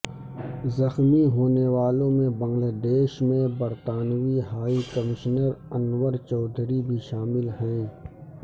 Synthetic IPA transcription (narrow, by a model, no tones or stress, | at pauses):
zɐxmiɦoːneʋaːlõmẽbɐ̃ŋɡlaːd̪eːʃmẽbɐɾt̪aːnʋiɦaːikɐmɪʃnəɾɐnʋəɾt͡ʃɔːd̪ʱɾibʱiʃaːmɪlɦɛ̃ː